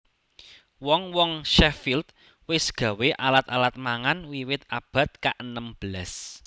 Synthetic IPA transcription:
wɔŋwɔŋʃɛfilt̪ | wɪsɡ̥ä̤weʔalat̪alat̪̚maŋanwiwɪt̪ab̥ä̤t̪̚kaʔənəmb̥əlas

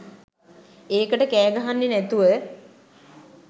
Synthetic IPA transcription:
eːkəʈəkæːɡaɦanːenæt̪uʋə

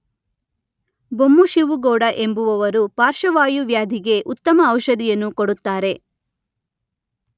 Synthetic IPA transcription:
bomːuʃiʋuɡɔːɽɐʔe̞mbuʋɐʋɐɾupaːɾʃɐʋaːjuʋjaːd̪ʱiɡe̞ʔut̪ːɐmɐːwʃɐd̪ijɐnːukoɽut̪ːaːɾe̞

